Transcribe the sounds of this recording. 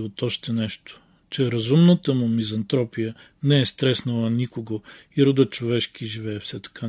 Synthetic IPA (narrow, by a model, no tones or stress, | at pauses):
ot̪ɔʃt̪ɛnɛʃt̪o̥ | t͡ʃɛɾɐzumnət̪əmʊmizɐnt̪ɾɔpijə | nɛɛst̪ɾɛsnɐlˠənikoɡoiɾod̪ət͡ʃovɛʃkiʒivɛːfsɛt̪ɐ̥kʰa